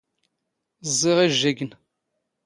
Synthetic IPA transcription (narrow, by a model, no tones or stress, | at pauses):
zˤːiʁiʒːæɡən